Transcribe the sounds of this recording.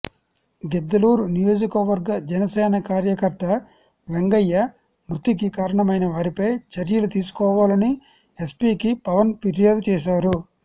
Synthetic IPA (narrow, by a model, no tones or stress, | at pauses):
ɡ̪ed̪ːɐluːɾunijo̞ːd͡ʒikɐʋɐɾɡɐd͡ʒɛnɐsɛːnɐkaːɾjɐkɐɾt̪ɐ | ʋeŋɡɐjːɐ | mɾut̪ik̬ikaːɾɐɳɐmɐjnɐʋaːɾipɐjt͡ʃɐɾjɐlut̪iːsu̥kɔːʋaːlɐni | espiːkipɐʋɐnpeɾijaːd̪ut͡ʃɛːʃ̬aːɾu